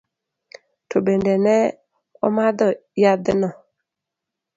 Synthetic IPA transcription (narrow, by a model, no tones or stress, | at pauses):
tʰobendɛnɛ | ɔ̰mad̪ɔjad̪ɪnɔ